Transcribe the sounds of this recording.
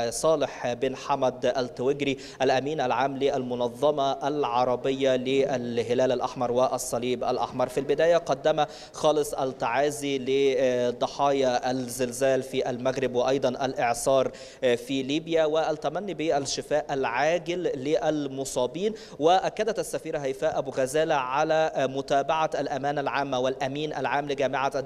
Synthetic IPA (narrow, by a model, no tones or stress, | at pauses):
sˤɑːlɪħbeːnħamæd̪ʔælt̪ɪwɪɡɾi | ʔælʔæmiːnʔælʕaːmlɪʔælmʊnɑðˤːɑmɑʔælʕɑɾˤɑbɪjːɑlɪʔælɦɪlæːlælʔɑħmɑɾˤwɪʔɑsˤːɑliːbʔæ̰lʔɑ̰ħmɑɾˤfilbɪd̪æːjæqɑd̪ːæmæ | xɑːlɨsˤʔælt̪ːaʕaːzilɪd̪ˤːɑħɑːjɑʔælzɪlzæːlfiːʔælmæɣɾɪbwɪʔɑjd̪ˤɑnʔælʔeʕsˤɑːɾˤ | filiːbjæwɪʔælt̪ːæmænːibiʔælʃɪfæːʔælʕaːɡɪlːɪʔælmosˤɑːbiːn | wɪʔækːæd̪æt̪ʔæsːæfiːɾɑɦæjfæːʔæbuɣæzæːlaʕalæmʊt̪æːbaʕaʔælʔæmæːnælʕaːmːæwɪlʔæmiːnʔæ̰lʕaːmlɪɡæːmɪʕa